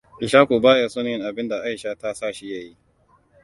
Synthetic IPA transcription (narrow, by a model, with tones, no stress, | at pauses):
ʔɪ˨ʃaː˦kʷuː˨baː˦ja˨sɔ˦n˦ɪ˨ŋʔa˨bɪ˦nda˨ʔa˦jʃaː˦ta˦saː˦˨ʃi˦ja˨ji˦